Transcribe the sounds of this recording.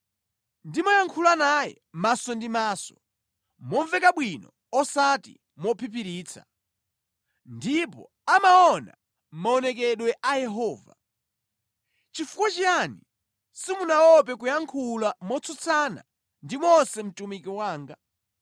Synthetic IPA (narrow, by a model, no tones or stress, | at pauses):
ndimɔjaŋkʰulanajɛ̰masɔndimaːsɔ̥ | mɔɱvɛkaɓwinɔ̰ | ɔsatḭ | mɔpʰip̬iɾiːt͡sʰa̰ | ndipɔ̰ | amaɔna̰ | maɔnɛk̬ɛɗwɛʔajɛɦɔːva̰ | t͡ʃifukwat͡ʃiani | simunawɔp̬ɛk̬ujaŋkʰulamɔt͡sʰɔt͡sʰana̰ | ndimɔsɛm̩tumikiwaːŋɡa